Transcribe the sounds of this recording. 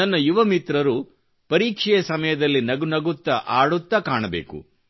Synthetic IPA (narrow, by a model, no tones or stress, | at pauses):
ɐnːɐjuʋɐmit̪ɾɐɾu | pɐɾiːkʂɛjɐsɐmɐjɐd̪ɐlːinɐɡunɐɡut̪ːɐʔaːɽut̪ːɐkaːɳɐbḛːkṵ